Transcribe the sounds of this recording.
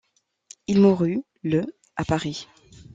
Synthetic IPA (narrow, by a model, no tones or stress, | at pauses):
ilmuʁy | lə | apaʁi